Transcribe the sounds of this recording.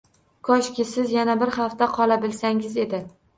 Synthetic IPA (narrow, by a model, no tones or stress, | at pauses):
kʰɒʃkʲɪsɪzjanabɪɾχaft̪aqʰɒlˠabɪlsaŋɪze̞d̪ɪ